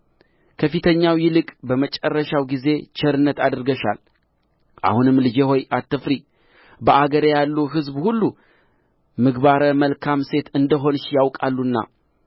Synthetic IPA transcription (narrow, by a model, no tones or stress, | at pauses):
kʰəfit̪ʰəɲːawjɪlɨkʼbəmət͡ʃʼərːəʃawɡize̞t͡ʃʰɛɾɨnːət̪ad̪ɾɡəʃa̰l | ʔa̰hunɨmlɨd͡ʒeho̞jat̪ːɨfɾi | bəʔaɡəɾjalːuɦɨzbhulːu | mɨɡbaɾəməlkʰamse̞t̪ɨnd̪əɦo̞nʃjawkʼalːunːa̰